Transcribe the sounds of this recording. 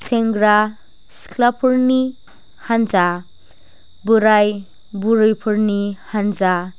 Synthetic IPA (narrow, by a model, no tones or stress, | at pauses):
sʰeŋɡɾa | skʰlapʰuɾni | hanza | buɾaj | buɾɯjpʰuɾnihanza